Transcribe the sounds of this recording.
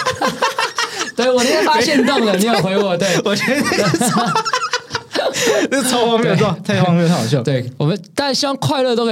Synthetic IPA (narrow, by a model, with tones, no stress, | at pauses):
t̪we˥˩ɪwɔ˨˩ni˥a˥fa˥ɕjɛ˥˧n˥t̪ŋ˨ə˨˧˩ni˥˧˩xwe˧ɪwɔ˧˩t̪we˥˩ɪwɔ˨˩t͡ɕʰn˥e˥˩˥ | nə˥˩ɑ˨˥ʊwɑ˧˥ŋme˥˧o˨˩˥t̪ʰa˥˩˧t̪ʰːjo˥˩˧we˥˩ɪwɔ˨˩mə˦nt̪a˥˧nɕi˥wŋkʰwa˥˧ɪlɤ˥˧t̪o˥ʊkʰː